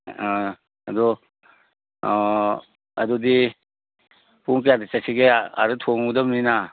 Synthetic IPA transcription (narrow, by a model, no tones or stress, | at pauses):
ɐdɔ | ɐdɔdi | puŋk̬jadisasiɡea̰ɾɯtʰoŋudamnina